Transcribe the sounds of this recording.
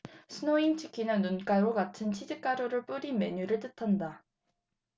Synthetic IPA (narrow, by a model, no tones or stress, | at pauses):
sʰɯnoint͡ɕʰi̥kʰinɯnːunk͈aoɡatʰɯnt͡ɕʰid͡ʑɯk͈aɾoɾɯɭp͈uɾime̞ɲuɾɯɭt͈ɯtʰanda